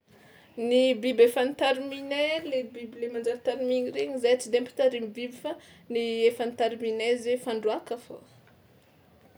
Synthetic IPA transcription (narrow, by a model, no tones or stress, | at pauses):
nibibefanit̪aɾiminelebibilemand͡ʒaɾt̪aɾimiɲiɾeɲizajat͡sid̪empi̥t̪aɾimibibifa | niefanit̪aɾiminezefaɳɖ͡ʐuakafo